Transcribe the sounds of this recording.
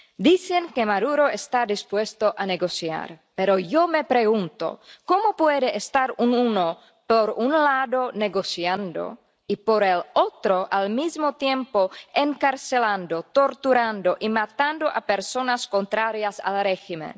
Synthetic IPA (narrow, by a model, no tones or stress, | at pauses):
d̪iseŋkemaðuɾo̞est̪ad̪ispwe̞st̪oʔaneɡo̞sja̰ɾpeɾojome̞pɾeɣunt̪o̰komo̞pweðeʔːst̪aɾununo | poɾunlaðoneɣo̞sjand̪o̰ | ipoɾelot̪ɾoʔalmizmo̞t̪jempoeŋkaɾseland̪ot̪o̞ɾt̪uɾand̪oʔimat̪and̪oʔape̞ɾso̞nasko̞nt̪ɾaɾjasa̰lreximḛ̃n